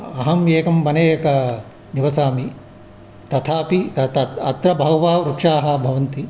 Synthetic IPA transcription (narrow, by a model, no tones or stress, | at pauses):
ɐɦɐmjeːkɐmbɐneːjɐkɐ | niʋɐsaːmi | t̪ɐt̪ʰaːpit̪ɐt̪ɐt̪ɾɐbʱɐwʋaːɾukʂaːɦɐ̆bʱɐʋɐnt̪i